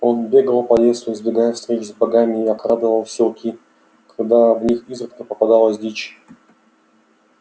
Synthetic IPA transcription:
o̞nbʲe̞ɡəlˠpɐlʲe̞sʊɪzbʲɪɡajɛfst̪ɾʲet͡ɕʊzbɐɡamʲɪːɐkɾad̪əvəlˠsʲɪlˠkʲʰi | kɐɡd̪avnʲixizɾɨt̪kəpəpɐd̪alˠəsʲdʲit͡ɕ

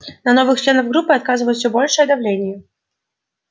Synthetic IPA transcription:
nɐnɔvɨxt͡ʃlʲenɐvɡɾupːɨat̪̚kazɨvɐjt̪sʲubɔlʲʂɨjɛd̪avlʲenʲɪjɛ

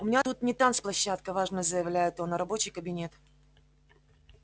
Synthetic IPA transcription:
ʊmʲɪnʲat̪ut̪̚nʲɪt̪ansplˠɐɕːat̪kəvaʐnəzəjɪvlʲæjɪt̪onəɾɐbo̞t͡ɕɪjkəbʲɪnʲe̞t̪

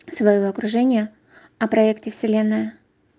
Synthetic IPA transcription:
svɐjoɐkɾʊʐɛnʲɪjə | ɐpɾɐɛktʲɪfsʲɪlʲe̞nːɨjə

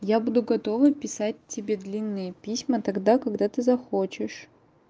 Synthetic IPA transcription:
jabud̪ʊɡɐt̪o̞vɨpʲɪsat̚ʲtʲːɪbʲe̞d̪lʲinːɨjəpʲisʲmət̪ɐɡd̪akɐɡd̪at̪ɨzɐxot͡ɕɪʂ

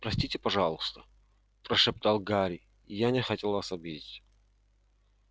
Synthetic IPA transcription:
pɾɐsʲtʲitʲɪpɐʐɑlˠʊst̪ə̥ | pɾəʂɨp̚t̪alˠɡaɾʲɪ | janʲɪxɐtʲelˠvasɐbʲidʲɪtʲ

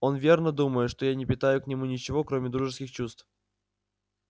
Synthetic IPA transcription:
o̞nvʲe̞rnəd̪uməjɪʂt̪o̞janʲɪpʲɪt̪ajʊknʲɪmunʲɪt͡ɕɪvo̞kɾomʲɪd̪ɾuʐɨskʲɪxt͡ɕust̪f

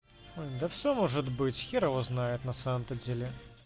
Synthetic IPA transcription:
ojd̪ɐfsʲomɔʐɨt̪bɨt͡sʲxʲiɾɐvɔznajɪt̪nɐsaməmt̪ɐd͡zʲelʲɪ

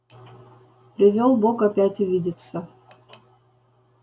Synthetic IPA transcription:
pɾʲɪvʲolˠbokɐpʲætʲʊvʲidʲɪt̪sə

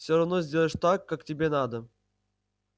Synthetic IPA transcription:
fsʲoɾɐvnozʲdʲelˠəʂt̪akːaktʲɪbʲenad̪ə

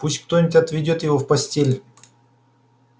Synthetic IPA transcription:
pusʲtʲk̚t̪onʲɪtʲɐt̪vʲɪdʲo̞t̪jɪvo̞fpɐsʲtʲelʲ

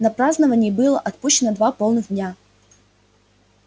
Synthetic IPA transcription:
nɐpɾaznəvənʲɪjːbɨlˠə̰ʔɐt̪̚puɕːɪnəd̪vapolˠnɨɣd̪ʲnʲa

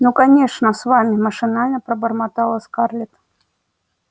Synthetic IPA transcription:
nukanʲeʂnɐsvamʲimɐʂɨnalʲnɐpɾɐbɐrmat̪alˠɐskarlʲɛt̪

